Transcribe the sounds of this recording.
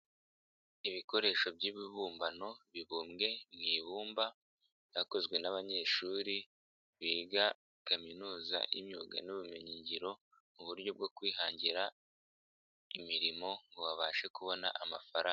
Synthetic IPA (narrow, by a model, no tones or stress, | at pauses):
iβiko̞ɾe̞ʃo̞bɟiβiβuːmbano̞βiβuːmɡe̞mŋiːβuːmba | jako̞zɡwe̞naβaɲe̞ːʃuɾi | βiːɡa | kaminuːza̰ʔimɲuːɡa̰nuβume̞ɲiɲɟiɾo̞ | muβuɾɟo̞b̚ɡo̞kwiːɦaːɲɟiɾa | imiɾimo̞ŋɡoβaβaːʃe̞kuβo̞na̰ʔama̰faɾaːŋa